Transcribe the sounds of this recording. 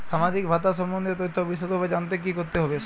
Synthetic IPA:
ʃamad͡ʑik̚bʱat̪aʃ̬ɔmːond̪et̪ojt̪ʰːobiʃ̬ot̪ɦɔbed͡ʑant̪̬ek̬ikoɾt̪eɦɔbe

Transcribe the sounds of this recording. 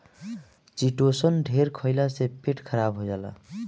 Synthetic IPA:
t͡ʃiʈosʌnɖʱeɾkʰʌjlasepeʈkʰʌɾabɦojd͡ʒala̰

